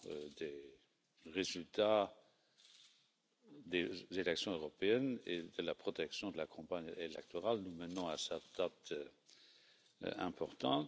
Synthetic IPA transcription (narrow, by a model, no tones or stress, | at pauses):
d̪e | ʁezylt̪a | d̪ezelɛksjɔ̃øʁɔpeɛnḛd̪əlapχɔt̪ɛksjɔ̃d̪əlakʰɔ̃paɲelɛk̚t̪ɔʁalnumənɔ̃asɛtd̪̥at̪ | ɛ̰̃pɔʁt̪ɑ̰̃t̪